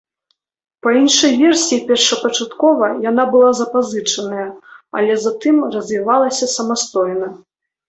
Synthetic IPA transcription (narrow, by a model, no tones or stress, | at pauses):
pɐinʂɐjvʲɛrsʲiipʲɛrʂɐpɐt͡ʂat̪kɔvɐjan̪abɨlˠazɐpazɨt͡ʂɐnɐjɐɐ̰lʲɛzat̪ɨmrɐzʲvʲivalˠɐsʲɐsɐmast̪ɔjnɐ